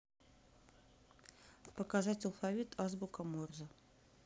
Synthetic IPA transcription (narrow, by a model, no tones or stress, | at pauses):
pəkazatʲɐlˠfavʲit̪ʰazbʊkɐmorzə